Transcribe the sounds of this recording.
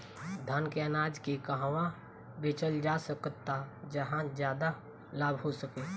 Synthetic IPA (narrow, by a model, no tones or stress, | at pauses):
d̪ʱənkeənaːd͡ʒkekəɦʋã | bɪt͡ʃəld͡ʒasəkt̪ːad͡ʒəɦãzjaːd̪a | laːbʱɦosəkeː